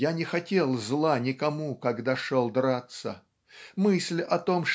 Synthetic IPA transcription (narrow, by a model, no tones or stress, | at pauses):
janʲɪxɐtʲe̞lˠzlˠanʲɪkɐmukɐɡd̪aʂolˠd̪ɾat̪sə̰ | mɨsʲlʲɐt̪o̞mʂ